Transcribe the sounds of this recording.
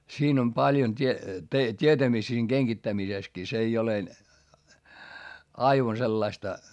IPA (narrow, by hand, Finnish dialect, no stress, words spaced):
siːn om pɑljon tʲie tʲietæmistæ siːŋ ɡ̊eŋɡ̊itːæmiseskiː s ei ole ɑiʋɑn selːɑistɑ